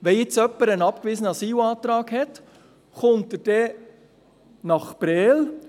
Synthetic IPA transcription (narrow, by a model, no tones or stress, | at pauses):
ʋɛɪt͡sœpːəɾənɑpkʋɪːzənəɑsiːlɑːt̪ɾɑːɡhɛt̪ | χʊnt̪əɾd̥ɛ | nɑχpɾɛːl